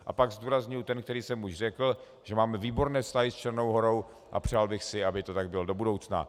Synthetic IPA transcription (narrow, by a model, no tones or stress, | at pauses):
ʔa̰paɡzduːɾazɲʊjut̪ɛnk̚t̪ɛɾiːsɛmuʃr̝ɛkl̩ | ʒ̥ɛmaːmɛviːbo̞ɾnɛːfst̪aɦɪst͡ʃɛɾno̞wɦo̞ɾo̞w | ʔa̰pr̝̥aːlbɪxsɪabɪt̪o̞t̪aɡ̚bɪldo̞budowt͡sna̰